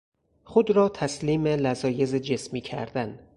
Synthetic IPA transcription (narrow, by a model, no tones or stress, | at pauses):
χod̪ɾɒːt̪ʰæsliːmelæzɒːje̞zed͡ʒe̞smiːcʰæ̰ɾd̪æn